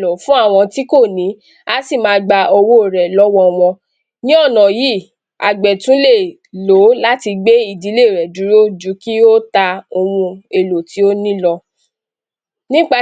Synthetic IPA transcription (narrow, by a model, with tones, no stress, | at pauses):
lɔ˨fũ˦a˦˨w̃ɔ̃˧ti˦ko˦˨nĩ˨˦ | a˦si˦˨mãː˧ɡ͡ba˧o˧wo˦˨ɾɛ˨lɔ˦wɔ˦˨w̃ɔ̃˧ | nĩ˦ɔ˦˨nã˨ji˦˨ | a˨ɡ͡bɛ˨tũ˨˦le˦˨ | lo˨˦la˦ti˧ɡ͡be˦i˦˨di˨˦le˦˨ɾɛ˨du˨˦ɾo˦d͡ʒu˨˦ki˦o˦ta˧o˧mũ˧e˨lo˨ti˨˦o˦nĩ˦lɔ˧ | nĩ˦k͡pa˧